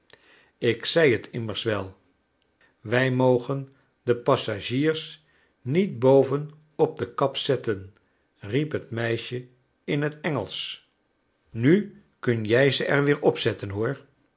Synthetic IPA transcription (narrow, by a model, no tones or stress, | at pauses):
ɪksɛjɦətʰɪməɹsʋɛlˠ | ʋɛjmowχən | dəpɑsaʒiːɹs | nid̚bowvən | ɔb̚dəkɑpsɛtən | ripɦətmɛjʃə | ɪnɦətɛŋəlˠs | ny | kɵnjɛjzəʔɛɹʋɪːɹɔpsɛtənɦʊːɹ